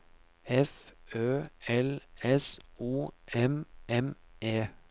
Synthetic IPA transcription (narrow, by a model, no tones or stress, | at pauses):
ɛføːɛlɛsuːʔɛmɛmʔeː